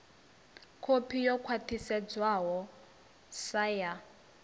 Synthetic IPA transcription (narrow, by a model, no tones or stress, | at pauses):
kʰopʰijɔkʰwatʰisɛd͡zwaɦɔ | saja